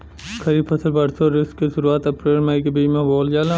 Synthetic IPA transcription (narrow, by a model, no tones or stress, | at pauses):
kʰɐɾipʰɐsəlbɐɽsoɾɪskːiʃʊɾuaːt̪ɐpɾeːlmɐikebiːmẽboːld͡ʒaːlã